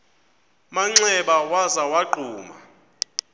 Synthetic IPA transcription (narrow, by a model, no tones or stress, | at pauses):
maŋ͡ǀɛɓawazawaɡ͡ǃʱuːma̰